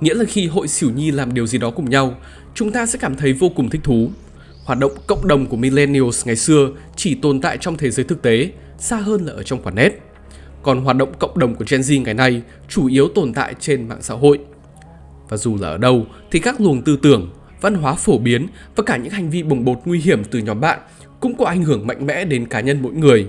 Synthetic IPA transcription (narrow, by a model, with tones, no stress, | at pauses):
ŋḭ˧˥laː˨˩xi˧ɦo̰˧˨jsi˧˩wɲi˧laː˨˩mɗi˨˩əwzi˨˩ɗɔ˨˦kʊ˨˧˩ŋ͡mɲa˧w | t͡ɕʊ˨˦ŋ͡mt̪aː˧sɛ̰˧˥kaː˧˩mt̪ʰə˨˦jvo˧kʊ˨˩ŋ͡mt̪ʰï˦˥t̪ʰu˨˦ | hwaː˨˩t̚ɗə̰˧˨wŋ͡mkə̰˧˨wŋ͡mɗə˨˩wŋ͡mku˧˩əmi˧lɛ˧ni˧o˧sŋa˨˩jsɨ˧ə | t͡ɕi˧˩t̪o˨˩nt̪a̰ː˧˨jt͡ɕɔ˧wŋ͡mt̪ʰe˨˦zəː˨˦jt̪ɨ˨˩k̚t̪e˨˦ | saː˧ɦəː˧nlaː˨˩ʔəː˧˩t͡ɕɔ˧wŋ͡mkwaː˨˩nɛ˦˥t̚ | kɔ˨˩nɦwaː˨˩t̚ɗə̰˧˨ŋ͡mkə̰˧˨wŋ͡mɗə˨˩wŋ͡mku˧˩ət͡ɕɛ˧nzi˧ŋa˨˩jna˧j | t͡ɕu˧˩ʔi˨˦əwt̪o˨˩nt̪a̰ː˧˨jt͡ɕe˧nma̰ː˧˨ŋsa̰ː˧˥ɦo̰˧˨jʔ | vaː˨˩zu˨˩laː˨˩ʔəː˧˩ɗə˧w | t̪ʰi˨˩kaː˦˥k̚lu˨˩ənt̪ɨ˧t̪ɨ˧˩əŋ | və̰˧˨nɦwaː˨˦fo˧˩ɓi˨˦ənvaː˨˩kaː˧˩ɲɨ̰˧˥ŋha˨˩ŋ̟vi˧ɓə˨˩ŋ͡mɓo˨˩t̚ŋwi˧ɦi˧˩əmt̪ɨ˨˩ɲɔ˨˦mɓa̰ː˧˨n | kʊ̰˧˥ŋ͡mkɔ˨˦ʔa˧˩jŋ̟hɨ˧˩əŋma̰˧˨jŋ̟mɛ̰˧˥ɗe˨˦nkaː˨˦ɲə˧nmo̰˧˥jŋɨ˨˩əj